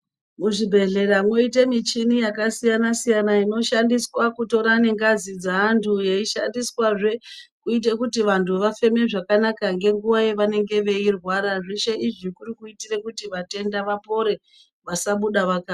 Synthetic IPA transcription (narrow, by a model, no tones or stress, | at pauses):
muʐibʱe̞ɮe̞ɾamŋo̞ite̞mit͡ʃinijakasijanasijanaino̞ʃandiswakuto̞ɾane̞ŋɡazid͡zaːntʰuje̞iʃa̰ndiswaʐe̞kuit̬ekutiʋantʰuʋafe̞me̞ʐakanakaŋɡe̞ŋɡuʋaje̞ʋane̞ŋɡe̞ʋe̞irwaɾaʐiʃeʔiʐikuɾikuitire̞kutiʋate̞ndaʋapo̞ɾe̞ | ʋasaɓuɗaʋakaː